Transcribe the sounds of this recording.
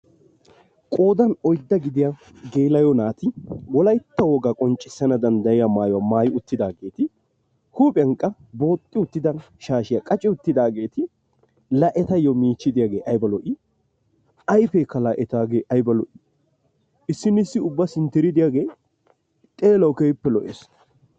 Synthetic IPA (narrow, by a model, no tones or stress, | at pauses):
kʼo̞ːd̪ɐnɔjd̪ːɐɡɪd̪ɪja | ɡeːlɐjɔnaːt̪ɪwɔlɐjt̪ːɐwɔɡakʼɔnt͡ʃʼːɪsːɐnɐd̪ɐnd̪ɐjɪjamaːjɔwamaːjʊt̪ːɪd̪aːɡe̞ːt̪ɪ | huːpʼɐŋkʼːɐ | bo̞ːt̪ʼːɪʊt̪ːɪd̪ɐn | ʃaːʃɪjɐkʼɐt͡ʃʼɪʊt̪ːɪd̪aːɡe̞ːt̪ɪ | lɐʔɛt̪ɐjɔmiːt͡ʃːɪd̪ɪjaːɡeːʔɐjbɐlɔʔɪ | ɐjfɛkːɐlɐʔɛt̪aːɡeːʔɐjbɐlɔ̰ʔɪ̥ | ɪsːɪnːɪsːɪʊbːɐsɪnt̪ɪɾɪd̪ɪjaːɡeːj | t̪ʼeːlɐwkejpːɛlɔʔes